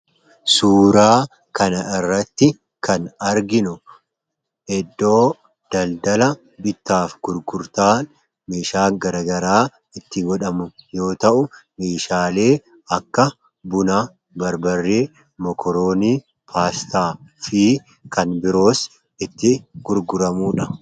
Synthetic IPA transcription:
suːɾaː | kɐnɐɪrːɐt̪ːɪ | kʰɐnɐɾɡɪnʊ | ɛd̪ːo̞ː | d̪̥ɐld̪ɐlɐ | bɪt̪ːaːfɡ̥ʊɾɡʊɾt̪aːn | meːʃaːŋɡɐɾɐːɡɐɾaː | ɪt̪ːɪɡɔᶑɐmʊjo̞ːt̪ɐʔʊmeːʃaːle̞ː | ɐkːɐ | bʊnɐ | bɐɾbɐrːeː | mɔkʰɔɾo̞ːniː | pʰaːst̪aːfiː | kɐnbɪɾo̞ːs | ɪt̪ːɪɡ̥ʊɾɡʊɾɐmuːᶑɐ

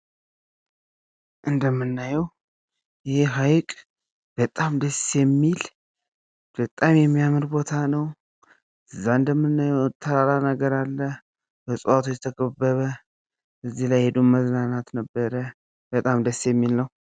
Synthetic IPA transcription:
ʔɨnd̪əmːɨnːajɛw | jɪheɦajkʼ | b̥ət̪ʼamd̪əsjɛmːil | b̥ət̪ʼamjɛmːijamɨɾbo̞t̪ʰanəw | ʔɨzːaɨnd̪əmːɨnːajɛwɨt̪ʰːəɾaɾanəɡəɾalːə | b̥əsʼuwat̪ʰujɛt̪ʰəkʼəbːəβə | bəzːihlajhed̪unməznanat̪nəbːəɾə | bət̪ʼamd̪əsːjɛmːilnəw

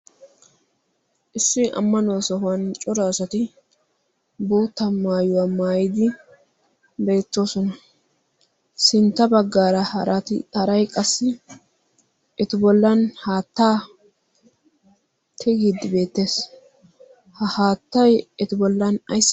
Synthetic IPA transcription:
ʔɪsːɪʔɐ̰mːɐnoːsɔhʊwɐnt͡ʃʼɔɾaːsɐt̪ɪ | boːt̪ːɐmaːjʊwamaːjɪd̪ɪ | be̞ːt̪ːo̞ːsɔnɐ | sɪnt̪ːɐbɐɡːaːɾɐɾt̪hɐɾɐjkʼɐsːɪ | ʔɛt̪ɪbɔlːɐnhaːt̪ːaː | tʰɛɡid̪ɪbe̞ːt̪ːe̞ːs | hɐhaːt̪ːɐjɛt̪ɪbɔlːɐnɐjs

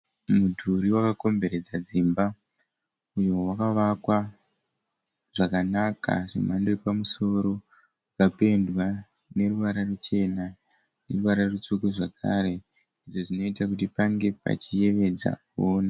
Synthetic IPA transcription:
mudʱuɾiwakako̞mbe̞ɾe̞d͡zad͡zimba | ujo̞wakaʋakwa | ʐ̥akanaka̰ʐḭmandoripamuso̞ɾo̞ | kape̞ndwa | ne̞ruʋaɾarut͡ʃe̞na | ne̞ruʋaɾarut͡sukuʐakʰa̰ɾe̞ | iʐo̞ʐino̞itakutipaŋɡe̞pa̰t͡ʃije̞ʋe̞d͡za̰ | oːna

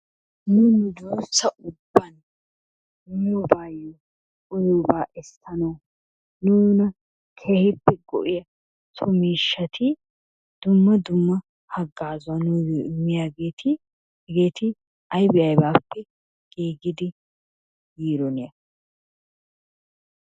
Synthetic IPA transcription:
nuːnʊd̪uːsːɐʔʊbːɐn | ɔbaːjːo | ʊjoːbaːʔɛst̪ʰːɐnoː | nunɐ | kʰeːhɪpːɛɡɔ̰ʔɪjɐ | t̪ʰɔmiːʃːɐt̪ʰɪ | d̪̥ʊmːɐd̪ʊmːɐ | hɐɡːaːzʊɐnʊːjʔɪmːɪjaːɡe̞ːt̪ʰɪ | ɡe̞ːt̪ɪ | ɐjbɪʔɐjbaːpːɛ | ɡ̥iːɡɪd̪ɪ | jiːɾɔnɪjɐ

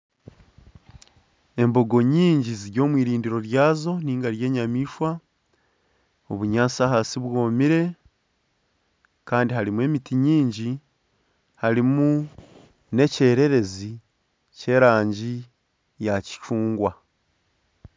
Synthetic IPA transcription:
e̞mbo̞ɡo̞ɲiːɲɟiziɾɟo̞ːmwiːɾiːndiɾo̞ɾjaːzo̞niːŋɡaɾje̞ːɲamiːʃwa | oβuɲaːsaɦaːsiβwo̞ːmiɾe̞ | kaːndiɦaɾimuwe̞ːmitiɲiːɲɟi | haɾimu | ne̞ce̞ːɾe̞ɾe̞zi | ce̞ːɾaːɲɟi | jaci̥ʃuːŋɡwa

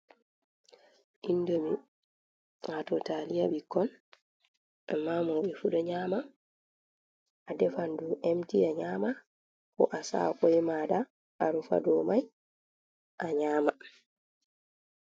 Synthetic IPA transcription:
ʔindomi | atɔtaːlijaɓikːɔn | ʔamːamɔɓɛfuɗɔɲaːma | ʔadɛfanduʔemtiaɲaːma | kɔʔasa̰ːkɔjɛmada | ʔaɾufa̰dɔmaj | ʔaɲaːma

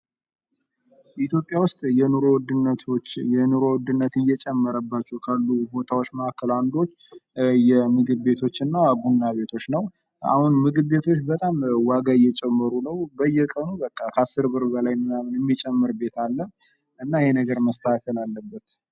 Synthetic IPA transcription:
it̪ʰjo̞pʼjawʊst̪ʼjɛnuɾowd̪ɨnːət̪ʰojɛnuɾowd̪ɨnːət̪ɨjɛt͡ʃʼɛmːəɾəbːat͡ʃːɛwkʰalːubo̞t̪ʰawot͡ʃːməhakːəland̪o̞t͡ʃːjɛmɨɡɨβbe̞t̪ʰo̞t͡ʃːɨnːabunːaβe̞t̪ʰo̞t͡ʃːnəw | a̰hunmɨɡɨβbe̞t̪ʰo̞t͡ʃːbət̪ʼamwaɡajɛt͡ʃʼɛmːəɾunəwbəjːɛkʼənubəkʼːakʰəasːɨɾbɨɾbəlajmɨamnjɛmːit͡ʃʼɛmːɨɾbe̞t̪ʰalːə | ʔɨnːajɛnəɡəɾməst̪ʰəakʰəlalːəbːət̪

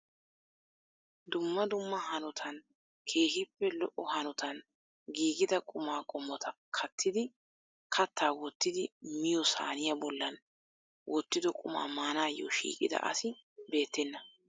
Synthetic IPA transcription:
d̪ʊmːɐd̪ʊmːɐhɐnɔt̪ʰɐn | kʰe̞ːhɪpːɛlɔʔɔhɐnɔt̪ʰɐn | ɡiːɡɪd̪ɐkʼʊmaːkʼɔmːɔt̪ɐ | kʰɐt̪ʰːɪd̪ɪ | kʰɐt̪ʰːaːwɔt̪ːɪd̪ɪmɪjɔsa̰ːnɪjɐbɔlːɐn | wʔɔt̪ːɪd̪ɔkʼʊma̰ːmaːnaːjːo̰ʃḭːkʼɪ̰d̪ɐ̰ʔɐ̰sɪbe̞ːt̪ːɛnːɐ

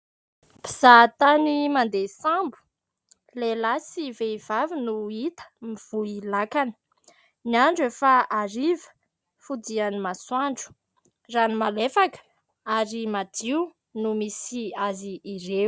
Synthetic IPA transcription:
piz̥at̪animand̪esãmbu̥ | lelasiveiv̥avinuit̪ə̥miv̥uilakanə̥ | niaɳɖ͡ʐefaaɾivə̥ | fud͡zianimaswaɳɖ͡ʐu̥ | ranimalefakə̥ | aɾimadiw | numisiaziːɾew

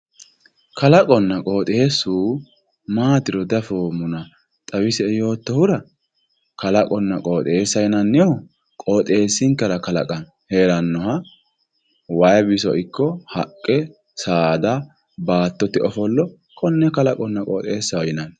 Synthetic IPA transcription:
kɐlɐkʼɔnːɐkʼoːt̪ʼesːuː | maːt̪ɪɾɔd̪ɐfoːmʊnɐ | t̪ʼɐwɪsɛɛjo̞ːt̪ːɔhʊɾɐ | kɐlɐkʼɔnːɐkʼo̞ːt̪ʼeːsːɐjɪnɐnːɪjo | kʼoːt̪ʼeːsːɪŋkːɛɾɐkɐlɐ̰kʼɐn | heːɾɐnːɔhɐ | wɐjbɪsɔ̰ʔɪkːɔhɐkʼːɛ | saːd̪ɐ | baːt̪ːɔt̪ːɪʔɔfɔlːɔ | kʼɔnːɛkɐlɐkʼɔnːɐkʼoːt̪ʼeːsːɐwjɪnɐn

